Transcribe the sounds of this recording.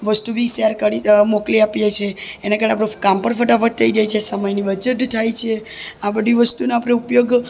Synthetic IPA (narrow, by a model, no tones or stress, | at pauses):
ʋəst̪ubʱisaɾkəɾimokliapjet͡ʃʰeːnakaɾənẽapɽekampəɾfəʈafəʈt̪ʰəid͡ʒajt͡ʃʰesəməjnibəd͡ʒəʈ̪t̪ʰːajt͡ʃʰeabəd̪ʱiʋəst̪uneapɽeupjoɡ